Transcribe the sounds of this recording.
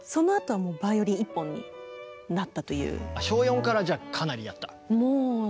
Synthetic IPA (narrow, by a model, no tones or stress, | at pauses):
so̞no̞at̪o̞βamo̞ːbajo̞ɾʲiipːõ̞ɲ̟ːḭnat̪ːat̪o̞jɯ̟̰ːaɕo̞ːjõ̞ŋkaɾad͡ʑaːkʰanaɾʲijat̪ːḁ̰ | moː